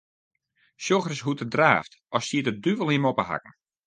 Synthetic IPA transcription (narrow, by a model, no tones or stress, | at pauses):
sjoxrəsɦutədra̰ːft | ɔsiətədyʋəlˠiəmopəha̰kn̩